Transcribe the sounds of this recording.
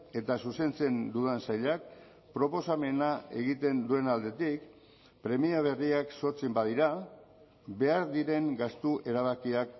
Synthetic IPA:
e̞t̪asuse̞nt͡se̞nd̪uðansajʎak | pɾo̞po̞same̞nae̞ɣ̞it̪e̞nd̪ue̞nald̪e̞t̪ik | pɾe̞miaβ̞e̞riakso̞ɾt͡simbað̞iɾa | βe̞aɾðiɾe̞ŋɡast̪uʔe̞ɾaβ̞akiak̚

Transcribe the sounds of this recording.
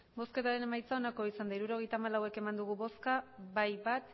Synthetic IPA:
bo̞ske̞t̪aɾe̞ne̞majt͡sao̞nako̞isand̪aiɾuɾo̞ɣ̞e̞jt̪aːmalawe̞ke̞mand̪uɣ̞uβo̞skaβajβat̪

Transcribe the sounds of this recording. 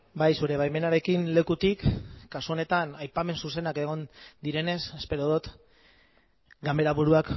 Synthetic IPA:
bajsuɾe̞β̞ajme̞naɾe̞kinle̞kut̪ikːasuo̞ne̞t̪anajpame̞nsuse̞nake̞ɣ̞o̞nd̪iɾe̞ne̞se̞spe̞ɾoðut̪ | ɡambe̞ɾaβuɾuak

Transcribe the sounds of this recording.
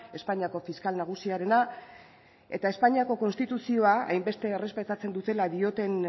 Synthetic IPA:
e̞spaɲiako̞fiskalnaɣ̞usiaɾe̞na | e̞̰t̪ae̞spaɲiako̞ko̞nst̪it̪usio̞aa̰jmbe̞st̪e̞ːre̞spe̞t̪at͡se̞nd̪ut̪e̞laðio̞t̪e̞n

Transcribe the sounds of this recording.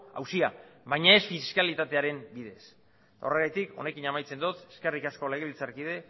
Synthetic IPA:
a̰wsiaβajɲae̞sfiskalit̪at̪e̞aɾe̞mbiðe̞s | t̪ao̞reɣajt̪iko̞̰ne̞kinamajt͡se̞nd̪ut̪e̞ske̞rikasko̞le̞ɣeilt͡saɾkið̞e̞

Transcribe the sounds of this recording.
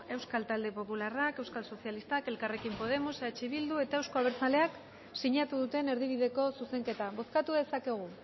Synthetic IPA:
e̞wskalt̪ald̪e̞po̞pularake̞wskalso̞sjalist̪ake̞lkare̞kimpo̞ð̞e̞moseat͡ʃeβild̪ue̞t̪aewsko̞aβ̞eɾt͡sale̞ak | siɲat̪uðut̪e̞ne̞ɾðiβ̞iðe̞ko̞suse̞ŋke̞t̪aβo̞skat̪uðe̞sake̞ɣ̞u

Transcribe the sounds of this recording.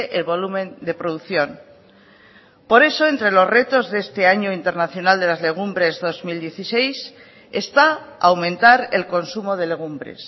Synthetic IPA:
eʔelβo̞lumẽ̞nd̪e̞pɾo̞ðuθjo̞n | po̞ɾe̞so̞e̞nt̪ɾe̞lo̞zre̞t̪o̞zðest̪e̞aɲoint̪e̞ɾnaθjo̞nald̪e̞lazle̞ɣ̞umbɾe̞zðo̞zmild̪je̞θise̞js | e̞st̪aaːwmẽ̞nt̪aɾe̞̰lko̞nsumo̞ð̞e̞le̞ɣ̞umbɾe̞̰s

